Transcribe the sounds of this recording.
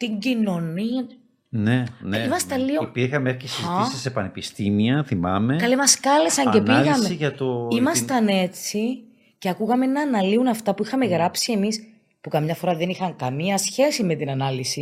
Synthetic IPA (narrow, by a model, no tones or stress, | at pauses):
t̪iɲɟino̞niɐ | nenimɐst̪ɐlioipiɾxɐmeefçisɐsisepɐnepist̪imiɐθimɐ̰mekɐlimɐskɐle̞sɐɲce̞npilɣɐmseiʝɐt̪oimɐsstt̪ɐne̞t͡si | ceɐkuɣɐmenɐːnɐliunɐft̪ɐpuixɐme̞ɣɾɐpsie̞mis | pukɐmɲɐfo̞ɾɐðe̞nixɐŋkɐmiɐsçe̞sime̞t̪inɐnɐlisi